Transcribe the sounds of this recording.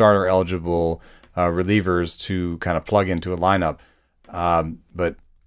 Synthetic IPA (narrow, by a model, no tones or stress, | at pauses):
ɑɹɾə˞ɛlˠəd͡ʒɨbl̩ˠ | ɹɨlivə˞z̥tʰɨkʰãɪ̃ndə̥pʰl̥ʌɡɪ̃ntʉəlãɪ̃nʌp̚ | b̥ʌt̚